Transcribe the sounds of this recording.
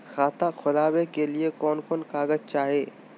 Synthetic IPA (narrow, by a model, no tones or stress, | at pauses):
xaːt̪axʰʊlaːwekeliekɔːnkɔːnkaːɡəzt͡ʃaːɦeː